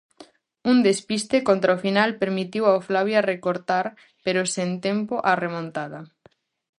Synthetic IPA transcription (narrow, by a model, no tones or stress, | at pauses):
und̪espist̪ekont̪ɾaofinalpeɾmit̪iwaoflaβjarekoɾt̪aɾ | peɾosent̪empoʔaremõnt̪aðɐ